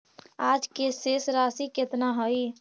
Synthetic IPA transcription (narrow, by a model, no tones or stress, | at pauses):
ad͡ʒkesesɾasiket̪naɦoj